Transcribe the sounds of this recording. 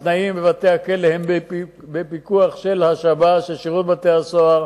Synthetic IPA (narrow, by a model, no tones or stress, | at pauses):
t̪naimbevat̪e̞hakelehemb | bepikuaχʃe̞lhaʃabaʃeʃiʁut̪̚batehasoaʁ